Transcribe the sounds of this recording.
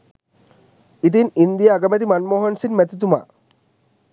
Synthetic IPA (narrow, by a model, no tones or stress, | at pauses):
it̪̬inind̪ijaːɡɐmɛt̪̬imanmoːɦɐnsinmæt̪it̪uma̰ː